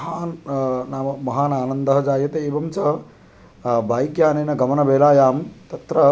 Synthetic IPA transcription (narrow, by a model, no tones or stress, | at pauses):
ɦaːnnaːmɐmɐɦaːnaːnɐnd̪ɐɦɐd͡ʒaːjɐt̪eeːbɐmt͡ʃɐ | bʱaːjikjaːnɐjnɐɡɐmɐnɐbʱeːlaːjaːmt̪ɐt̪ɾɐ